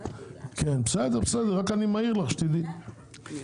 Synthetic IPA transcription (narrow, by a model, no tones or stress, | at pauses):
kenbsɛd̪eʁbsɛd̪eʁʁakanimaiʁlaχʃt̪idi